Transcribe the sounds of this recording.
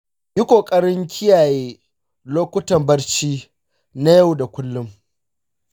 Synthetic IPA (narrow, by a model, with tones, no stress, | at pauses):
jɪ˦kʷoː˨kʼɐ˦ɽɪ˦ŋkʲʰɪ˦jaː˨jeː˦ | loː˦kʷʊ˦tɐ˨mbɐ˦rt͡ʃiː˦ | na˦ja˦˨wda˨kʷʊ˦lːʊ˦m